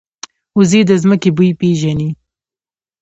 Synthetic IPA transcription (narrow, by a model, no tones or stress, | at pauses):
uziːd̪əzməkebujpeːʒani